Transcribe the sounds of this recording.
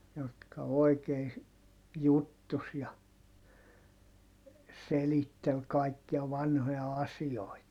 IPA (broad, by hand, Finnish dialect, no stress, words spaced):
jotkɑ oi̯kei jutːus jɑ selitːel kɑˑikːiɑ ʋɑnhojɑ ɑsioit